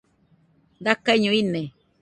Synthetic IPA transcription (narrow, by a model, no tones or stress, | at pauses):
d̪akaɲõinẽ